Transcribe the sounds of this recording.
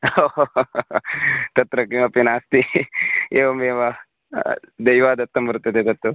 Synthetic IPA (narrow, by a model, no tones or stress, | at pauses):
o | t̪ɐt̪ɾɐkimɐpinaːst̪i | eːʋɐmeːʋɐ | d̪ɐjʋaːd̪ɐt̪ːɐmbɐɾut̪ːɐd̪et̪ɐt̪ːu